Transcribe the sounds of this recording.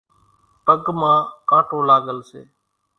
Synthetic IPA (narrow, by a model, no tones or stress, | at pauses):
pəɠmãːkãːʈoːlaːɠəlsḛː